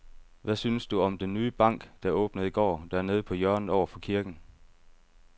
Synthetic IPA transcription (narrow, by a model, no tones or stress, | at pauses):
ʋæsynsd̥uɒ̽md̥enːyːb̥ɑ̈ŋ̰ɡ̥d̥ɑ̈ɔ̽ːb̥nəð̩ˠiɡ̥ɒ̰ːd̥æɐne̝ːð̞ˠpʰɒ̽jœɐ̰n̩ˠɒʊɐfɒ̽kʰiɐɡ̥n̩